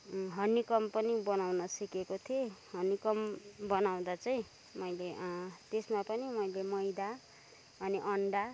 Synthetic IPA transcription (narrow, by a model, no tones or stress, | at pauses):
ɦʌnikʌmpʌnibʌnawnʌsʌkekot̪ʰiehʌnikʌmbʌnaw̃d̪at͡saĩ | mʌjleʔt̪esmapʌnimʌjlemʌjd̪a | ʌniʔʌɳɖa